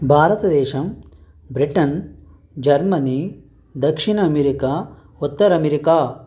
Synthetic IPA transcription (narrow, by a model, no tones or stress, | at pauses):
bʱaːɾɐt̪ɐd̪ɛːʃɐm | bɾiʈɐn | d͡ʒɐɾmɐni | d̪ɐkʂiɳɐːmeɾikaː | ut̪ːɐɾɐmeɾikaː